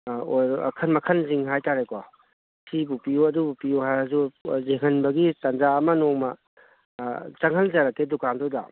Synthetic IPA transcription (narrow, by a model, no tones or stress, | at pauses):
oj̰kʰɐnmɐkʰɐnziŋɦajtaɾeko | sibupijuɐdubupijuɦajɐzuzeŋɐnbɐɡitɐnzaːmɐnomɐ | t͡ʃɐŋɦɐlzaɾɐkːedukandoda̰